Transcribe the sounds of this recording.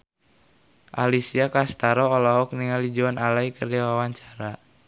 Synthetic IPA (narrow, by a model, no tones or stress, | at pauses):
ʔalisiakast̪aɾɔːlɔɦɔk̚niŋalid͡ʒuanalaikərd͡ʒawawaɲt͡ʃḁɾa